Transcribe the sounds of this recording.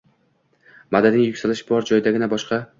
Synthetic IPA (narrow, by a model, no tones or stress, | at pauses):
mad̪ad̪ɪŋjʊkʲsalɪʃbɒɾd͡ʒɒjɪd̪aɡʲɪnabɒʃqɑ